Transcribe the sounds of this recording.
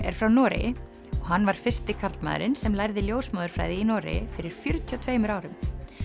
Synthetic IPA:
ɛ̰ɾ̥fɾawnɔːɾɪ̰ | ɔɣɦanːvaɾ̥fɪ̥st̪ɪkʰaɾt̪ma̰ːðʏ̰ɾɪnsɛmlajɾðɪljoːwsmaːðʏɾ̥fɾa̰jðɪinɔːɾɪ̰fɪɾɪɾ̥fjœɾt̪ʰiɔt̪ʰveːjmʏɾaːwɾʏm

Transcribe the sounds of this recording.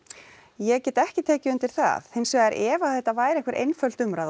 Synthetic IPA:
jɛɣcɛːt̪ɛhcɪt̪ʰɛːcɪʏnt̪ɪɾ̥θa̰θhejnsvɛɛɾʔɛːvaθɛht̪avaːjɾẽŋkvɛɾʔḛjnfœl̥t̪ʏmɾað

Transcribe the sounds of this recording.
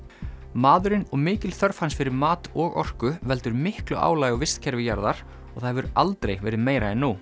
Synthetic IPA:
maːðʏɾɪnɔɣmɪːcɪlθœɾfhansfɪɾɪɾmaːt̪ɔɣɔ̰r̥kʏvɛlt̪ʏɾmɪhklʏʔa̰ːwlaːjɪɔvɪst̪cʰɛɾvɪjaɾðaɾ̥ | ɔɣθajhɛvʏɾalt̪ɾejvɛːɾɪðmeːjɾaɛnːu

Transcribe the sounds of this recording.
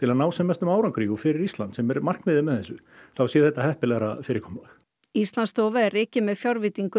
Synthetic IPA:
t̪ʰɪlanaːwsɛmɛst̪ʏmaːwɾaŋkʰɾiːɣʏfɪɾɪɾist̪lant̪sɛmɛɾmar̥knmɪðɪmɛðθɛsːʏ | θawsjɛθɛht̪ahɛhpɪlɛɣɾa̰fɪːɾɪɾ̥kʰɔmlax | ist̪lanst̪oːwvaɛrɪːcɪmɛðfjawɾvɪt̪iŋkʏ

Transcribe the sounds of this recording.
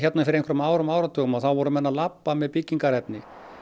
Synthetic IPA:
çɛt̪nafɪɾɪɾejŋkvɾʏmaːwɾʏmaːwɾat̪ʰœːkmaθawvɔɾʏmɛnːalapːamɛðpicːiŋkaɾɛt̪nɪ

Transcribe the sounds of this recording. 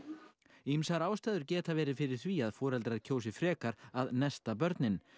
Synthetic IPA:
imsaɾaːwst̪ɛːðʏɾcɛːt̪avɛːɾɪ̥fɪɾɪɾ̥θviaðfɔːɾɛlt̪ɾaðcʰoːws̬ɪ̥fɾɛːkaɾaðnɛst̪ap̬œɾt̪nɪn

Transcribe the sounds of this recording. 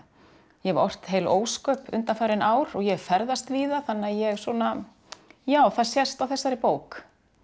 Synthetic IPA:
jɛvɔr̥t̪heːjloːwskœːpʏ̰nt̪anfaːɾɪnʔaːwɾɔɣjɛfɛɾðast̪viːðaθanːɪaðjɛɣsɔːna | jaːwθaðsjɛst̪awθɛsːaɾɪpoːwk

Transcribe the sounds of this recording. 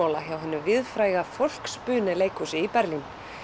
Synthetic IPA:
owlaçawɦɛnːʏvɪðfɾaːjɣafowl̥kspʏːnɪleːjkusɪipɛɾlin

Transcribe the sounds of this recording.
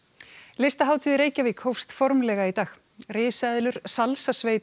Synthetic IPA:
lest̪aɦaːwt̪ʰiðɾeːjcavɪkʰowfst̪fɔɾmlɛːɣait̪aːx | rɪːsɛðlʏɾ̥salsasveːjt̪

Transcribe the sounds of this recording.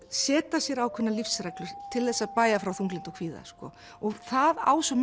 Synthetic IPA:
sɛːt̪asjɛɾawkʰʏnːalifsɾɛjklʏɾ̥t̪ʰɪlθɛsːaðpaːjafɾawθuŋklɪnt̪ɔkʰviːða̰skɔ̰ | ɔɣθaða̰ːwsɔm

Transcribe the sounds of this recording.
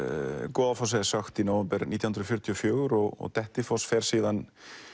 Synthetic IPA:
kɔːðafɔws̬ɛðɪsaxt̪inawvɛmpɛɾniːt̪jahnɾðɔfjʏɾ̥t̪ʰjɔfjœːɣʏɾɔɣɔ̰ɣt̪ɛht̪ɪfɔsfɛɾ̥siːðan

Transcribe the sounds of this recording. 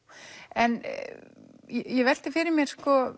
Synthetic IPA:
ɛn | jɛjɛvɛl̥t̪ɪfɪɾɪɾmjɛɾ̥skɔ

